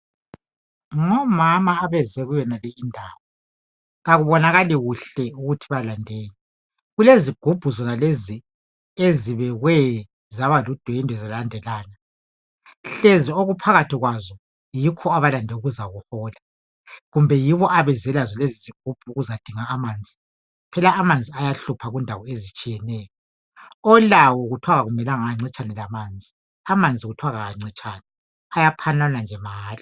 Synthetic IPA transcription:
ŋɔmamaːβɛzɛɣujɛnalɛindʱaːwɔ | ɣaɣuβɔnaɣaliɣuɬɛuɣutʰiβalandʱeːɲi | ɣuleziɡ̥ʱub̥ʱuzɔnalezi | eziβɛɣwɛ | zaβalud̥ʱweindʱwɛzɛlandʱɛlaːna | ɬezioɣupʰaɣatʰiɣwazɔ | jikʰɔaβalandʱɛuɣuzaɣuhɔːla | ɣumbʱɛjiβɔʔaβɛzɛlazɔleziziɡ̥̚ʱub̥̚ʰʱuuɣuzad̥ʱiŋaːmaːnd͡zʱi | pʰɛlaːmand͡zʱiajaɬupʰaɣundʱawɔezit͡ʃʼijɛnɛːjɔ | ɔlawɔɣutʰwaɣaɣumɛlaŋaaŋ͡ǀit͡ʃʼanɛlamaːnd͡zʱi | amand͡zʱiɣutʰuwaɣaaŋ͡ǀit͡ʃʼaːnɛ | ajapʰananand͡ʒʱɛmaːli

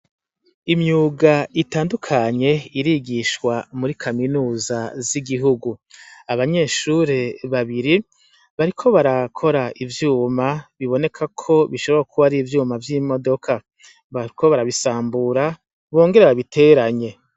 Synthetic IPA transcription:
imjuːɡaitaːndukʰaɲe̞iɾiɡiʃkwamuɾikʰaminuːzaziɡiɦuɡuaβaɲe̞ʃuɾe̞βaβiɾi | βaɾikʰo̞βaɾakʰo̞ɾaivjuːmaβiβo̞ne̞kʰakʰo̞βiʃo̞βo̞ɾakʰuβaɾiːvjuːmavjimo̞do̞kʰa | βaiko̞βaɾaβisaːmbuɾa | βo̞ːŋɡe̞ɾeβaβitʰe̞ɾaɲe̞

